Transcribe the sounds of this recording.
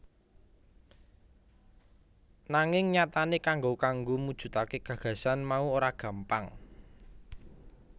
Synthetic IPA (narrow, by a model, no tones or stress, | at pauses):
naŋɪŋɲat̪anekaŋɡokaŋɡomud̥ʒ̥ṳt̪akeɡ̥ä̤ɡ̥ä̤sanmauoɾaɡ̥ä̤mpaŋ